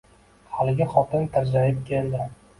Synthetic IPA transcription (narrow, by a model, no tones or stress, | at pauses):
halɪɡʲɪχɒt̪ɪnt̪ʰaɾd͡ʒajɪp̚kʲʰeld̪ɪ